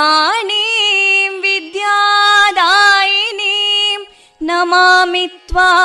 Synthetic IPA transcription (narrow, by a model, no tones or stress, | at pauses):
aːnimʋid̪jaːd̪aːjinim | nɐmaːmit̪ʋa